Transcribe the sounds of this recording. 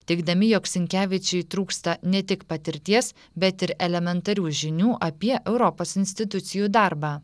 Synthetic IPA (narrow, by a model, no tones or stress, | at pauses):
t̪ʲɛɪɡd̪ɐmʲɪjoːksʲɪŋʲkʲæːʋʲɪt͡ʃʲɛɪt̪ɾuːkst̪ɐnʲɛt̪ʲɪkpɐt̪ʲɪɾʲt̪ʲiɛs | bʲɛt̪ɪɾɛlʲɛmʲɛnt̪ɐɾʲuːʒʲɪnʲuːʔɐpʲiɛʔɛʊɾɔpoːsɪnʲsʲt̪ʲɪt̪ʊt̪sʲɪjuːd̪ɑɾbɑː